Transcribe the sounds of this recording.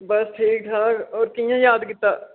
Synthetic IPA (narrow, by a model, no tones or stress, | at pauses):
bəsʈʰiːk̚ʈʰaːkɔːɾkijãːjaːd̪kɪt̪ːaː